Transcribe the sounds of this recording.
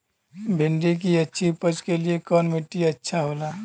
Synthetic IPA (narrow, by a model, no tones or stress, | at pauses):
bʱɪ̃ɳɖik̬iɐtːʃʰipəd͡ʒkeliekɔːnmɪʈːiɐtːʃʰaɦoːlaː